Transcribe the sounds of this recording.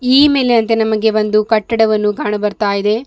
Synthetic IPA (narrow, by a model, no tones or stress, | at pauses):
iːme̞ːleɐnt̪̬enɐmɐɡe̞bɐnd̪ukɐʈːɐɽɐʋɐnːuɡaːɳɐbɐɾt̪aːjid̪e̞